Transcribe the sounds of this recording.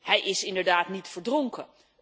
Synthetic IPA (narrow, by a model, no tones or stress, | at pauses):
hɛjʔɪsɪndəɹdaːtnitfəɹdroŋkə